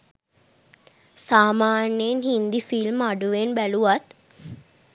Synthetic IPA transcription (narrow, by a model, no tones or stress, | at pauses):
saːmaːnjenhind̪ifilmaɖuʋenbæluʋat̪